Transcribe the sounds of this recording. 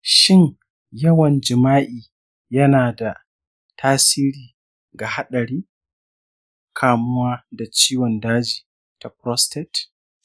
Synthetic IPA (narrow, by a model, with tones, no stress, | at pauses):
ʃɪ˦ŋ | jɐ˦wɐ˨nd͡ʒɪ˨maː˦ʔiː˨ | jɐ˦naː˨da˨ | tʰaː˦siː˦ɾiː˨ | ɡa˨ha˦ɗɐ˨ɽiː˦ | kʰaː˨mʊ˦waː˦da˨t͡ʃiː˦wɔ˨ndaː˦d͡ʒiː˨ | ta˨pɾɔ˦stɛ˨t